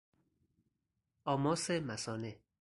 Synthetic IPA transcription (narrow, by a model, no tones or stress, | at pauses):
ɒːmɒːsemæsɒːne